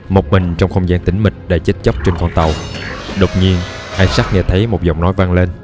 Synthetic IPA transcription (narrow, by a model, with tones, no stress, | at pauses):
mo˨˩k͡p̚mï˨˩ŋ̟t͡ɕɔ˧wŋ͡mxə˧wŋ͡mzaː˧nt̪ï˨˦ŋ̟mï˨˩t̟̚ɗa̰ː˧˩t͡ɕe˦˥t̚t͡ɕa˦˥k͡p̚t͡ɕe˧nkɔ˧nt̪ə˨˩wɗo˨˩wk͡p̚ɲi˧ən | ʔaː˧jsa˦˥t̚ŋɛ̰˧˩t̪ʰə˨˦jmo˨˩t̚zə̰˨˧˨wŋ͡mnɔ˨˦jva˧ŋle˧n